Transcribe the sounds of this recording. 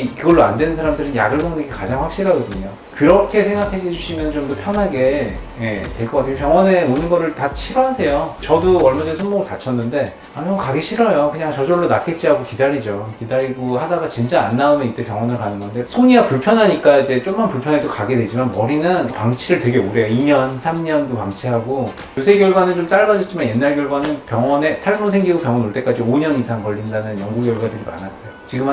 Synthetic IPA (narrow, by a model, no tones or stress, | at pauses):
iɡʌɭːoa̰ndwe̞nɯnsʰaɾamdɯɾɯnja̰ɡɯɭsʰoŋdeɡikad͡ʑaŋɸwakɕ͈iɾɦaɡʌdɯɲo | kɯɾʌkʰe̞sʰe̞ŋɡakʰeed͡ʑuɕʰimjʌnɯnt͡ɕomdopʰjʌnɦaɡe̞je̞twe̞ɭk͈ʌk͈aktʰejopjʌŋwʌne̞monɯnɡʌɾɯɭtat͡ɕʰiɾʌɦasʰe̞jot͡ɕʌdoʌɭmad͡ʑesʰoŋmoɡɯɭtat͡ɕʰʌnːɯnde̞ | aɲimʌkaɡeɕʰiɾʌjokɯɲaŋt͡ɕʌd͡ʑʌɭːonak͈et̚t͡ɕ͈iaɡokidaɾid͡ʑokidaɾiɡohadaɡat͡ɕint͡ɕ͈aːnːaumjʌnit͈e̞pjʌŋwʌnɯɭkanɯnɡʌnde̞sʰoɲiɡapuɭpʰjʌnɦaɲik͈aid͡ʑe̞t͡ɕ͈omkʌnpuɭpʰjʌnɦe̞dokaɡe̞dwe̞d͡ʑimanwʌɾinɯnpaŋt͡ɕʰiɾɯɭtwe̞ɡe̞oɾe̞joiɲʌnsʰamɲʌndopaŋt͡ɕʰiɦaɡo | josʰeɡjʌɭɡwanɯnt͡ɕomt͡ɕ͈aɭɡad͡ʑʌt͡ɕ͈imanje̞nːaɭɡʲjʌɭɡwanɯnpjʌŋʌne̞tʰaɭmosʰe̞ŋɡiɡopjʌŋwʌnoɭt͈e̞k͈ad͡ʑioɲʌnisʰaŋkʌʎːindanɯnjʌŋɡuɡjʌɭɡwadɯɾia̰nas͈ʌjot͡ɕiɡɯma